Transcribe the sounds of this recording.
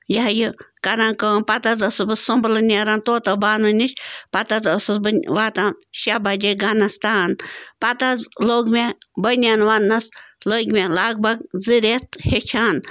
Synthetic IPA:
jaɦjikɐɾãːnkəːnpɐt̪ɐzɐsɨbɨsumblɨnʲeɾaːnt̪oːt̪ɐbaːnunʲit͡ʃʰʲpɐt̪ɐzɐsɨzbɨnʲʋaːt̪aʃabad͡ʒeɡanɐst̪aːnpɐt̪azloːɡmebənʲaːnʋanːɐsloɡʲmʲelaːɡ̚bɐɡziɾet̪het͡ʃʰaːn

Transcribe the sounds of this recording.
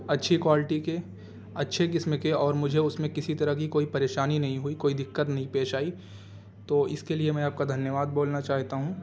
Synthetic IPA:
ɐtːʃʰekwaːlɪʈike | ɐtːʃʰek̬ɪsmekeɔːɾmʊd͡ʒʱeʊsmẽkɪsit̪ɐɾəɦkikoːipɐɾeːʃaːninɐɦĩɦʊikoːid̪ɪkːət̪nɐɦĩpeːʃaːi | t̪oːɪskeliemɛ̃ːaːp̚kad̪ʱɐnjəʋaːd̪̚boːlnat͡ʃaːɦt̪aɦũ

